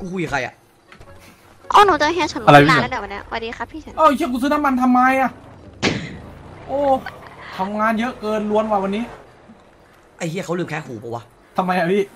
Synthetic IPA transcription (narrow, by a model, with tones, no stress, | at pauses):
kuː˧˩kuː˧˩jaː˨˩kʰa˧jʔa̰˨˩ | ʔɔː˧˥˩nu˧˩t͡ɕa˧˩ɦɛː˧˩t͡ɕʰa˧˦nlɾa˧ji˦˧˥aː˧˦bɛː˨˩wa˨ni˦˥˩wa̰˧˩diː˧xʰa˦˥pʰːiː˧˩t͡ɕʰa˦nʔa˧˩˧i˧˥˨kuː˧˩sɯː˧na˦˥mːa˧nt̪ʰa˧mːaː˧jʔa˧˩ | ʔoː˧˩t̪ʰa˧mŋaː˧njɤ˦˥ʔkɤː˧nlu˧ənwaː˧wa˧nːiː˦˥˩ | ʔa˧˩i˧˥˨kʰa˦˥wlɯː˧˩mkʰɛː˦˧˥kʰuː˨˦˩pʰɔ˧˩waː˧ | t̪ʰa˧ma˧jʔa˧˩piː˥˩